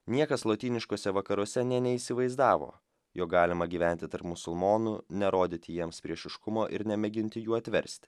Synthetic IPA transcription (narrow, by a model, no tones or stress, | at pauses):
nʲiɛkɐslˠoːt̪ʲiːnʲɪʃkoːsʲɛʋɐkɐɾoɔsʲɛnʲɛnʲɛisʲɪʋɐɪzd̪ɑːʋo̰ː | joːk̚ɡɑːlʲɪmɐɡʲiːʋʲɛˑnʲt̪ʲɪt̪ɐɾpmʊsʊlˠmoːnʊnʲɛɾoːd̪ʲɪt̪ʲɪjiɛmspʲɾʲiɛʃɪʃkʊmoːʔɪɾnʲɛmʲɛɡʲɪnʲt̪ʲɪjuːɐt̪ʲʋʲɛɾʲsʲt̪ʲ